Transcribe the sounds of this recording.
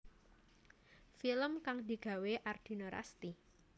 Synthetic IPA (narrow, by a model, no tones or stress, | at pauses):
filəmkaŋd̪i̤ɡ̥a̤weʔard̪̥i̤noɾa̰st̪i